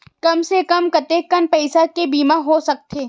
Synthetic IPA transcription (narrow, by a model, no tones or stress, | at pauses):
kɐmsekɐmkɐt̪eːkːɐnpɐɪsakebiːmaɦosɐk̚t̪ʰeː